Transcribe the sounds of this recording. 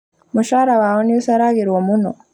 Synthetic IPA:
muʃaɾawaoniusaɾaɡiɾwomuno

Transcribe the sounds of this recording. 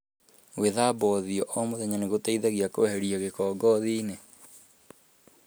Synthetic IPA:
weðaːbɔðiɔʔɔmoðɛɲaneɣotaiðaɣiakoɛhɛɾiɔɣekɔːɡɔðine

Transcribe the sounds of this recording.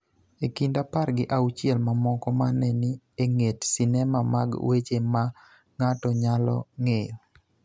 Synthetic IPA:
ekindaparɡɪʔaut͡ʃɪɛlmamɔkɔmanɛni | eŋetsinɛmama̰ɡwet͡ʃema | ŋatɔɲalɔ̰ŋejɔ

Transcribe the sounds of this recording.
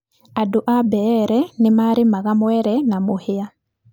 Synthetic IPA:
adoʔabɛɾɛnemaɾimaɣamwɛɾɛnamohɪa

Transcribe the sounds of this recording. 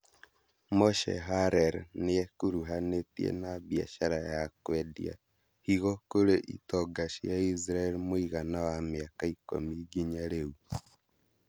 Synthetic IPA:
mɔʃɛ̰ɦaɾɛɾneɛkuɾuɦanetjḛnaβja̰ʃaɾajakwɛdḭa̰ | hiɣɔkoɾeʔḭtɔɡaʃijais̬ɾaɛlimoiɣanawameakaiko̰miɡiɲaɾeu

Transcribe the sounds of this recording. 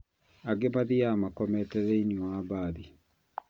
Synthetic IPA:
aɡemaðiamakɔmɛtɛɾɛiniwabaːði

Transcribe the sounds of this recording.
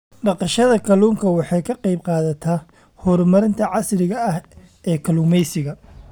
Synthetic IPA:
ɖɑqɑʃɐðɐkʰɐluːŋkʰɐwɑħɑjkʰɐqɑjb̚qɑːðɐt̪ʰaː | hɔɾmɐɾɪnt̪ʰɐʕɑsrɪɣɐɐh | ɛːkʰɐluːmɛjsɪɣɐ

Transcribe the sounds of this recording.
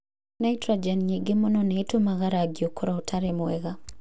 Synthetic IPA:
najtɾad͡ʒɛnɲeɡemɔnɔnetomaɣaɾaɡjokoɾaotʰaɾɛmwɛɣa

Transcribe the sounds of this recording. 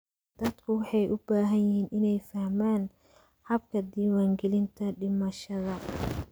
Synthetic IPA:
d̪̥ɐd̪kʰʊwɑħɑjʔʊbaːɦɐjɪɦiːnʔɪnɛjfɐhmaːn | ħɑbkʰɐd̪iːwaːŋɡɛlɪnt̪ʰɐɖɪmɐʃɐðɐ

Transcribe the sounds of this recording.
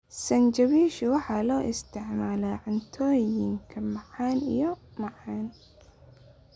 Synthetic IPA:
sɐnt͡ʃɐβiːʃʊwɑħɑːlɔːʔɪst̪ʰɪʕmaːlɛʕʊnt̪ʰɔːjɪŋkʰɐmɑʕɑːnḭjɔmɑʕɑːn

